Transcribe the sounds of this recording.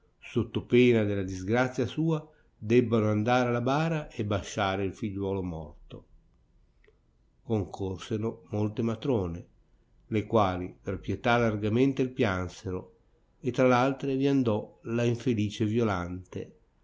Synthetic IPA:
sot̪ːopeːnad̪elad̪izɡɾat̪sːjasuːa | d̪ɛbːanoand̪aːɾealabaːɾaʔebːaʃaːɾeilfiʎːwɔːlomɔ̰rt̪o̰ | koŋkʰorseɾomolt̪emat̪ɾoːne | lekwaːliperpjet̪alarɡament̪eilpjanseɾo | et̪ːɾalalt̪ɾeviand̪ɔlaiɱfeliːt͡ʃevjolant̪ḛ

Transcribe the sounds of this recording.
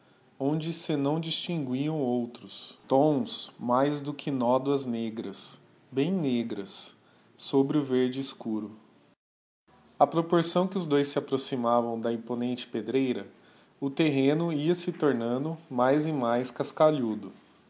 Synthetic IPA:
õd͡ʒɪsɪnɐ̃w̃d͡ʒist͡ʃĩŋɡwiɐ̃w̃owt̪ɾʊst̪õw̃smajzd̪ʊkʰɪnɔd̪wɐzneɡɾɐs | bẽj̃neɡɾɐsː | obɾɪʊveɾd͡ʒɪiskuɾʊ | ɐpɾopoɾsɐ̃w̃kɪʊzd̪ojsːɪapɾosimavɐ̃w̃d̪ɐĩponẽnt͡ʃɪ̥ped̪ɾejɾɐ | ʊt̪eɦẽnʊiɐsɪt̪oɾnɐ̃nd̪ʊmajzɪmajskaskaʎud̪ʊ

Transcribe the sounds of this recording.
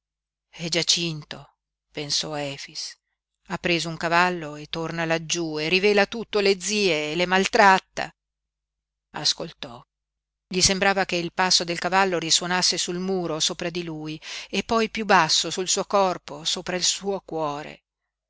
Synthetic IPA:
ɛd͡ʒat͡ʃint̪o | pensɔɛːfis | apːɾeːzouŋkavalːoet̪ːornalad͡ʒueriveːlat̪ut̪ːoled̪ziːeːlemalt̪ɾat̪ːa̰ | a̰skolt̪ɔ | ʎisembɾaːvakeilpasːod̪elkavalːoɾiswonasːesulmuːɾosoːpɾad̪iluːjepːɔjpjubasːosulsuːokɔrposoːpɾailsuːokwɔːɾḛ

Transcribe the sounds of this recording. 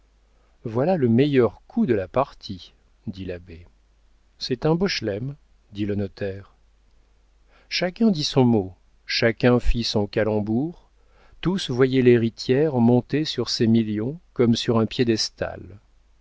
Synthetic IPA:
vwalaləmɛjœʁkʰud̪əlapaʁt̪ʰi | d̪ilabe | sɛt̪ɛ̃bɔʃlɛm | d̪ilənɔt̪ɛːʁ | ʃakʲɛ̃d̪isɔ̃mo | ʃakʲɛ̃fisɔ̃kalɑ̃buʁ | t̪usvwajɛleʁit̪jɛʁmɔ̃t̪esyʁsemiljɔ̃kɔmsyʁɛ̃pjed̪ɛst̪a̰l

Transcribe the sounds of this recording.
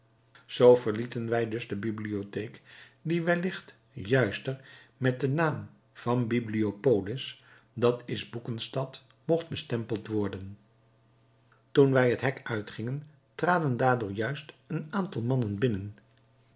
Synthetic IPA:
z̥owvəɹlitənʋɛjdɵzdəbibliotejk | diʋɛlɪχt | jœɥstəɹ | mɛt̚dənaːm | v̥ɑnbibliopowlɪs | dɑtɪzbukənstɑt | mɔχd̚bəstɛmpəlˠtʋɔɹdən | tunʋɛjɦətɦɛkœɥtχɪŋən | traːdəndaːɹdʊːɹjœɥstənaːntɑlˠmɑnənbɪnən

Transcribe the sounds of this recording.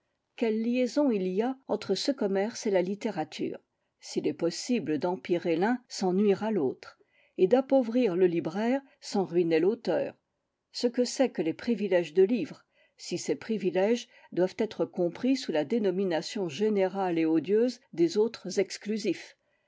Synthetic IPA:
kʲɛlːjezɔ̃ilijaɑ̃t̪χəsəkɔmɛʁselalit̪eʁat̪ʰy̰ːʁ | silɛpɔsibləd̪ɑ̃piʁelɛ̃sɑ̃nɥiʁalot̪χ | ed̪apovʁiʁləlibʁɛːʁ | sɑ̃ʁɥinelot̪œːʁ | səkəsɛkəlepχivilɛʒd̪əlivʁə | sisepχivilɛʒ | d̪wav̥t̪ɛt̪χəkɔ̃pχisulad̪enɔminasjɔ̃ʒeneʁaleɔd̪jøzd̪ezot̪χəzɛksklyzif

